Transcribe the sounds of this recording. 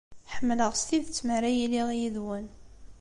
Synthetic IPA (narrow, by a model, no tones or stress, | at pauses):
ħəmːləʁst̪iðt͡sːməɾæjiliʁjiðwæn